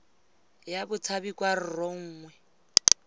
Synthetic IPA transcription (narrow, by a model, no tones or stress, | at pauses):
jabʊt͡sʰabikʼwar̩rɔŋ̩ːŋwɛ